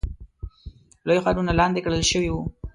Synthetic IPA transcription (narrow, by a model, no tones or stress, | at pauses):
lojxwɑɾunalɑnd̪ekɽəlʃəwiwu